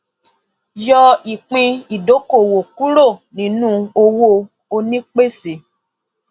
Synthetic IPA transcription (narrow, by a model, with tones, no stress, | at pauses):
jɔ˧i˨k͡pĩ˧i˨do˨˦ko˦˨wo˨ku˦ɾo˦˨nĩ˨˦nũ˦o˧wo˧ | o˧nĩ˦k͡pe˦˨si˨